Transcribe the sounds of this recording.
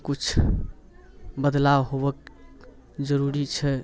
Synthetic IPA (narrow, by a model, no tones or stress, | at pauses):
kut͡ʃʰ | bəd̪lawɦobək | d͡ʒəɾuɾit͡ʃʰɛ